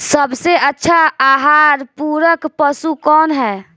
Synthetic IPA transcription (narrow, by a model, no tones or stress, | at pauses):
səbseʔətːʃʰaaːɦaːɾpuːɾəkpəsukɔːnɦɛː